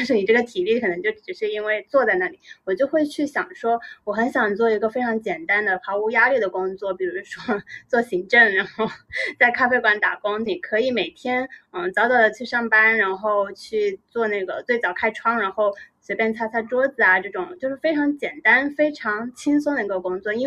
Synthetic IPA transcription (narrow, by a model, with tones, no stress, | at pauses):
ʂɔ˥i˨˩ʈ͡ʂɤ˥˩ɡə˩t̪ʰi˨˩li˥˩kʰɤ˨˩nɤ˧˥ŋt͡ɕjo˥˩ʊʈ͡ʂɻ̩˨˩ʂɻ̩˥˩i˥nwe˥˧ɪt͡swɔ˥˧t͡sa˥˧ɪna˥˩lḭ˨˩˦wɔ˨˩t͡ɕjo˥˧ʊxwe˥˧ɪt͡ɕʰy˥˩ɕjɑ˨˩ŋʂwɔ˥wɔ˧˩xə˧˥nɕjɑ˨˩ŋt͡swɔ˥˩i˧˥ɡə˧fe˥ɪʈ͡ʂʰɑ˧˥ŋt͡ɕjɛ˨˩nt̪a˥nd̪ə˨xa˧˥u˧˥ja˥li˥˩d̪ə˩kʊ˥ŋt͡swɔ˥˩pi˨˩ɻu˧˥ʂwɔ˥t͡swɔ˥˩ɕi˧˥ŋʈ͡ʂɤ˥˩ŋɻa˧˥nxo˥˧ʊt͡sa˥˩ɪkʰa˥fe˥ɪkwa˧˥nt̪a˨˩kʊ˥ŋn˨˩kʰɤ˧˥i˧˩me˨˩ɪt̪ʰjɛ˥n̩˥˩t͡sɑ˥ʊɑ˥˩ʊlə˩t͡ɕʰy˥˧ʂɑ˥˩ŋpa˥nɻa˧˥nxo˥˧ʊt͡ɕʰy˥˧t͡swɔ˥˧na˥˩ɡə˩t͡swe˥˩ɪt͡sɑ˨˩ʊkʰa˥ɪʈ͡ʂʰwɑ˥ŋɻa˧˥nxo˥˩ʊswe˧˥pjɛ˥˩nt͡sʰa˥t͡sʰa˥ʈ͡ʂwɔ˥d͡zɹ̩˨˩ɐ˩ʈ͡ʂɤ˥˩ʈ͡ʂʊ˨˩˦ŋt͡ɕjo˥˧ʂɻ̩˥˩fe˥ɪʈ͡ʂʰɑ˧˥ŋt͡ɕjɛ˨˩nt̪a˥nfe˥ɪʈ͡ʂʰɑ˧˥ŋt͡ɕʰi˥ŋs̬ə˥d̪ə˧˩i˧˥ɡə˧˩kʊ˥ŋt͡swɔ˥˩i˥